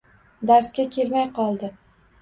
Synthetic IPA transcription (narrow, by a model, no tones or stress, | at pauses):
d̪aɾskʲakʲʰe̞lmajqʰɒlˠd̪ɪ